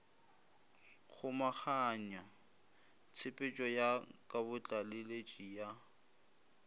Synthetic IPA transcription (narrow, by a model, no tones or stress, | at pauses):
χʰʊmak͡xaɲa | t͡sʰɪpʼɪt͡ʃʼɔjakʼabʊt͡ɬʼalɪlet͡ʃʼija